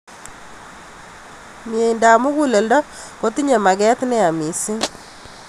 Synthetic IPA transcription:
mje˨i˨nda˨mʊ˦ku˦le˨ldɔ˦ | ko˦t̪i˦ɲe˨ma˨kɛ˦t̪nɛ˦a˨mi˨si˦

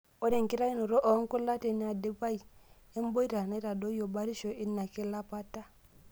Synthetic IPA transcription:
ɔ˦ɾɛ˨ŋ˨ki˦ɾa˦i˦nu˨ɾɔ˦ʔɔ˨˦ŋ˦ku˦la˦tɛ˨ni˨˦a˨de˦pa˦i˨ | ɛ˦m˦bɔ˦i˦ɾa˨na˨˦i˦ɾa˨dɔ˦o˨ba˦ɾi˦ʃɔ˨ʔi˦nːa˨ke˦la˦pa˦ta˦

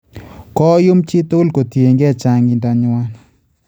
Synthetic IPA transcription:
kɔ˦jo˦mt͡ʃɪ˦t̪o˦lko˨t̪je˨ŋɡɛ˦˨t͡ʃa˦ŋɪ˨nda˨ɲwa˦n

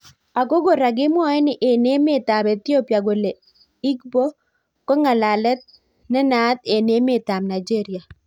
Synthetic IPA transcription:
a˨ko˦ɡo˨ɾa˨ɡɪ˦mwɔ˦ɛ˦nɪ˨ʔe˨ne˦mɪ˦t̪a˨be˨t̪ɪ˦o˦pja˨ɡo˨le˨ | i˦kbo˦ | kɔ˦ŋa˨la˨lɛ˦t̪̚ | nɛ˦na˦t̪e˨ne˦mɪ˦t̪a˨mna˨d͡ʒe˦ɾɪ˨a˨

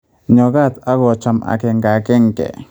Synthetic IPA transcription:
ɲo˧ɡa˦˨t̪a˦ɣo˧t͡ʃa˧mʔa̰˨ke˧ŋɡa˨ke˦ŋkḛ˨

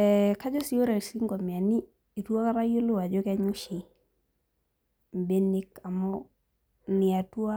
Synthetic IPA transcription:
ɛka˦d͡ʒɔ˦si˨o˦ɾa˨si˦ŋɡɔ˨mi˨a˨niː˦˨ | tu˦a˦ka˦ɾa˦jo˦lʊ˦wa˨d͡ʒɔ˦ka˦ɲu˦ʃi˨ | m˨be˦ni˦ka˨mɔ˦ | nɪ˨a˨tu˦a˦

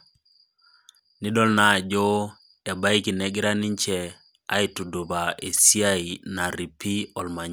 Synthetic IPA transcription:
ni˦dɔ˦lna˨d͡ʒo˦ | e˨ba˦i˦ki˨nɛ˦ɡi˦ɾa˦ni˦ɲt͡ʃɛ˨ | a̰˦i˦tu˨do˨ba˨e˨si˦a˦i˨na˨ɾi˨pi˦ɔ˨lma˨ɲ˦

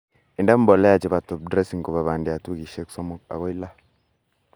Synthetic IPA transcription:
i˨ndɛ˦m˦bɔ˨lɛ˦ja˨t͡ʃi˨ba˨tɔ˨b̚dɾɛ˦si˨ŋko˨ba˨βa˨ndi˨a˨tu˦ɡi˨ʃe˦ksɔ˦mɔ˦k̚a̰˨ɣɔ˦i˦la˦

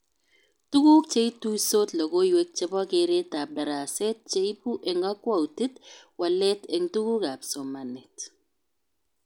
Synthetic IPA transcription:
tu˦ku˦k̚t͡ʃe˦i˦tu˦so˦tlɔ˨ɡo˦jwe˦k̚t͡ʃe˨bɔ˦ke˨ɾe˦ta˨bɛ˨ɾa˨sɛ˦t̚t͡ʃe˦i˦pu˦ʔɛ˨ŋa˦kwa˦u˨ti˦twa˨lɛ˦tɛ˨ŋtu˦ku˦ka˨pso˨ma˨nɪ˨t

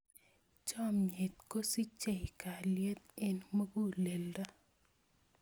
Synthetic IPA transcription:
t͡ʃɔ˦mɲe˨t̪̚ko˦si˦t͡ʃe˨ka˨lje˦t̪e˦nmo˦ɡu˦le˨lda˦

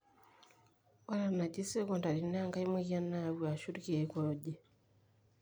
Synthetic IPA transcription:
wa˦la˦na˨ɟi˦se˦kɔ˨nda˨ɾi˨na˦ŋɡa˦i˦mwi˦ja˦na˦˨wua˨ʃu˦ɾki˨e˨ko˨ɟe˨

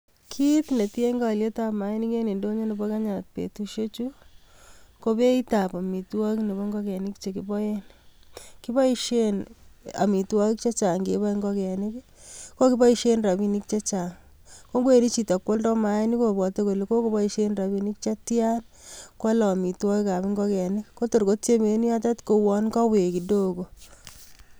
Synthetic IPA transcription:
kʰi˦tne˨te˦ŋɡa˨lje˦ta˦pma˨je˦ni˦ke˦ne˨ndo˦ɲo˦ne˨bo˦ka˦ɲa˨t̚pḛ˨tu˦ʃo˦t͡ʃu˦ | ko˦be˦i˦ta˨pa˨mi˨twɔ˦kne˨bo˦ŋɡɔ˦kɛ˨ni˦kt͡ʃe˨kɪ˦bɔ˦je˦n | kɪ˦ba˦i˦ʃe˦na̰˨mi˨twɔ˦k̚t͡ʃa˦t͡ʃa˨ŋɡe˨˦βa˦i˦ŋɡɔ˦kɛ˨ni˦kko˦ki˦bɔ˦i˦ʃe˦nra˨bi˦ni˦k̚t͡ʃa˦t͡ʃa˨ŋ | ko˦ŋɡwe˨ni˦t͡ʃi˨ta˨kwo˦ldɔ˦ma˨je˦ni˦ko˦˨bɔ˨te˦ko˨le˨ko˦ko˦bɔ˦i˦ʃe˦nra˨bi˨ni˦kt͡ʃa˦tja˦n | ko˦lɔ˨mi˨twɔ˦ki˦ka˨bɪ˦ŋɡɔ˦kɛ˨nɪ˦kːo˦to˨ɾko˦tt͡ʃe˦me˨˦ni˦a˦t̬a˦tko˨wɔ˨nka˦we˨ki˨do˦ko˨

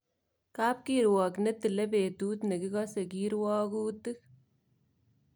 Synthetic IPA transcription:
kaː˦p̚kiɾwɔ˨knɛ˦tɪ˨le˦peː˨tuː˦tne˨ki˦kɔ˦se˨kiɾwɔː˦ku˦tɨ˦

